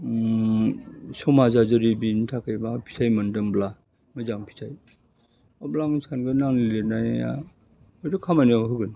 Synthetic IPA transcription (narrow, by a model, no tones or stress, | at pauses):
sɔwmazazɯɾibintʰakʰajbapʰi̥sʰajmɯndɯmbla | mɯzaŋpʰi̥sʰaj | ɔblaŋsʰanɡɯnaŋlilenaja̰ | ɔjɾɯkʰamanijawɦɯɡɯn